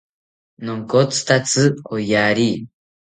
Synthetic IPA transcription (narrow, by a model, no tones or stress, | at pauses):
noŋkot͡sɨ̥t̪at͡sɨojaɾi